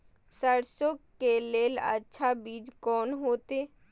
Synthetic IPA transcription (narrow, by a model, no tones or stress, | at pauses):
səɾsokeleːlə̰tːʃʰabiːd͡ʒkɔːnɦoːt̪eː